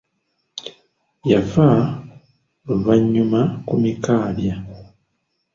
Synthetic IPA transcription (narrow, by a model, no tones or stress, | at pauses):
java | uβaɲːumakumikaːβja